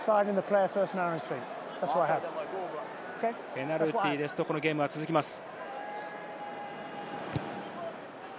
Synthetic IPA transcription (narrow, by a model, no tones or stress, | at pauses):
saɪɾɪ̃nðəpʰl̥eɪəfɜˑstmaɹɪ̥̃stɹ̥it | ðætswɔɾaɪəv | okʰeɪpenaɾɯt̪ːiːd̪esɨ̥t̪o̞ko̞noɡʲe̞ːmɯɡat͡sɨzɨkʲimasɨ̥